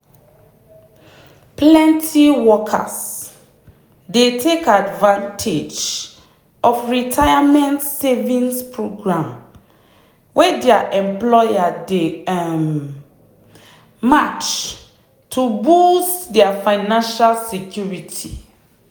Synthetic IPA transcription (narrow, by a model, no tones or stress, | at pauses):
plɛ̃ntʰiwɔkʰa̰s | detʰekadvãntʰed͡ʒ | ɔfɹitʰajamɛ̃ntsevĩnspʰɹoɡɹãm | wʔɛdɛaʔɛ̃mplɔjade | mat͡ʃ | tʰubustdɛafãɪnãnʃalsekʰjuɹitʰḭ